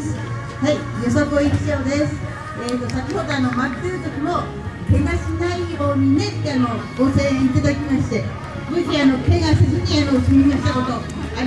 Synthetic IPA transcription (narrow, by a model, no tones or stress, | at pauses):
s | haijos̬okɯoiki̥ɕoːd̪esɨ̥ | et̪ːo̞sakʲiho̞d̪o̞ano̞mat̪ːeɾɯ̟t̪okʲimo̞ | kʰe̞ɡaɕinaiho̞ːɲ̟ine̞ano̞ɡo̞se̞ːɲiit̪ad̪akʲimaɕi̥t̪e̞ | mɯʑiano̞ke̞ɡasezɨɲ̟iano̞sɨmʲimaɕi̥t̪ako̞t̪o̞ | an